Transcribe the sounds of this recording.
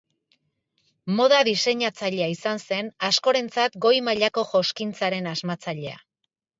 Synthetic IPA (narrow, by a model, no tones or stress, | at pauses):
mo̞ð̞aðise̞ɲat͡saʎe̞aisanse̞nasko̞ɾe̞nt͡sat̪ɡo̞jmaʎako̞ʝo̞skint͡saɾe̞nazmat͡saʎe̞a̰